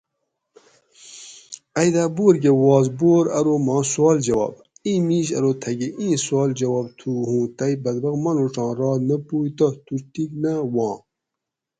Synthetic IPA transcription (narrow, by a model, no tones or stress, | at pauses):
ɐjd̪aːboːɾɡewɑːzboːɾɐɾomɑːsuɑːld͡ʒɐwɑ̰ːb̚ | ĩːmiːɕ̬ɐ̰ɾot̪ʰɐɡeʔĩːswɑːld͡ʑɐwɑːb̚t̪ʰuhũːt̪ɐjbɐd̪bɐɣmɐnoʈ͡ʂɑ̃ːɾɑːnɐpuːjt̪ɐt̪ut̪iknɐwɑ̃ː